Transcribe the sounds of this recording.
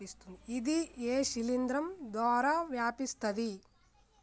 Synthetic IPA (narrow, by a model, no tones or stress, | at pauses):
ist̪und̪iid̪ieːʃilind̪ɾɐmd̪aːɾɐʋjaːpist̪ɐd̪i